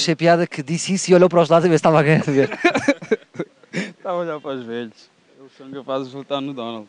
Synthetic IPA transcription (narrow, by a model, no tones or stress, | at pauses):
ʃɐpjaðɐkɨd̪isisiɔʎowpɐɾɔwʒlˠad̪zɐβeɾst̪avaɣɐɲaɾðɨveɾ | t̪avɐɔʎaɾpɾaʒvɛʎʃ | ewusẽnkewfasvolˠt̪aɾnud̪ɔnalˠd̪